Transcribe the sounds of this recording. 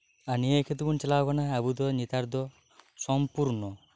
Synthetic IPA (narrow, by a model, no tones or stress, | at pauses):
anieekʰet̪ubunt͡ʃɛlakɔnaːbud̪ɔnit̪aɾd̪ɔ | sɔmpuɾnɔ